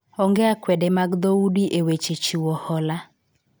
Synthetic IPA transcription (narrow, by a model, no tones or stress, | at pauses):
ɔŋɡɛakwɛdɛmaɡd̪oudiʔewet͡ʃet͡ʃiwɔhɔla